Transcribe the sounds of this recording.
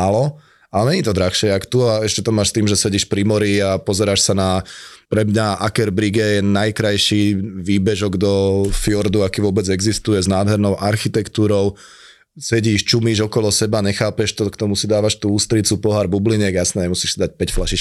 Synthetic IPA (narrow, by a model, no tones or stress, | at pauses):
alɔ | aɲɛɲiːt̪ɔd̪ɾaxʃɪɛakt̪uaɛʃcɛt̪ɔmaːʃst̪iːmʒɛsɛɟiːʃpɾimɔɾiapɔzɛɾaʃsanapɾɛmɲaʔakɛɾbɾiɡɛjɛnajkɾajʃiʋiːbɛʒɔɡd̪ɔfiɔɾd̪uakiːʋʊɔbɛd͡zɛɡzist̪ujɛznaːd̪ɦɛɾnɔʊʔaɾxit̪ɛkt̪uːɾɔʊ | sɛɟiːʃt͡ʃumiːʒɔkɔlɔsɛbaɲɛxaːpɛʃt̪ɔkt̪ɔmusid̪aːʋaʃt̪uːuːst̪ɾit͡supɔɦaɾbubliɲɛɡjasnɛɲɛmusiːʃsid̪ac̚pɛcflaʃiʃk